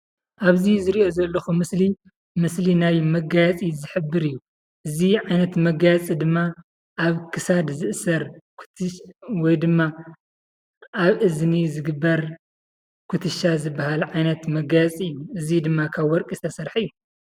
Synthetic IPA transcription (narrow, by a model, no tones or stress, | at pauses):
ʔaβzizɨɾiʔo̞zɐlːɐxumɨsli | mɨslinaβmɐɡajɐt͡sʼizɨħɨbːɨɾɨjːu | ʔɨziʕajnɐt̪mɐɡajɐt͡sʼid̪ɨmːa | ʔaβkʰɨsad̪zɨʔsɐɾk | wɔjd̪ɨmːa | ʔaβʔɨznizɨɡɨbːɐɾ | kʰut̪ʰɨʃazɨbːahalʕajnɐt̪mɐɡajɐt͡sʼiɨjːuɨzid̪ɨmːakʰaβwɔɾkʼisʰɐsɐɾħɨjːu